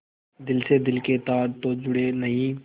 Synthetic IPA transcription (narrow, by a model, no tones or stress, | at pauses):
d̪ɪlsed̪ɪlket̪aːɾt̪od͡ʒʊɽenɐɦĩː